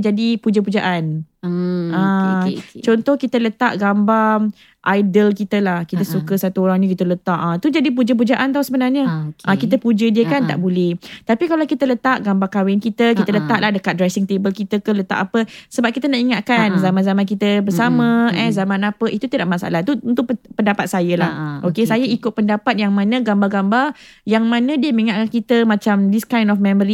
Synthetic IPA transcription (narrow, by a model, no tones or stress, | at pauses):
d͡ʒadipud͡ʒəp̬ud͡ʒaʔan | ã | t͡ʃɔnt̪ɔhkit̪ələt̪aʔɡamba | ʔajdəlkit̪əlahkit̪əsukəsat̪uoɾaŋnĩkit̪ələt̪aʔt̪ud͡ʒadip̬ud͡ʒəp̬ud͡ʒaʔant̪ausəbənarɲəʔakit̪əpud͡ʒədiəkant̪a̰ʔbulɛht̪apikalawkit̪ələt̪aʔɡambakawɪnkit̪əkit̪ələt̪aʔlahdəkat̪̚dɾɛsɪŋt̪ebəlkit̪əkələt̪a̰ʔapəsəbap̚kit̪ənaʔiŋaʔ̪̚kanzamãnzamãnkit̪əbəsamə̃ɛzamãnapəʔit̪ut̪ədaʔmasa̰ʔa̰laht̪uunt̪ʊʔpəndapat̪̚sajəlahʔokesajaikʊt̪̚pəndapat̪̚jaŋmãnə̃ɡambaɡambarjaŋmãnə̃diəmə̃iŋaʔ̚kankit̪əmãt͡ʃamdiskajnɔfmɛ̃məɾi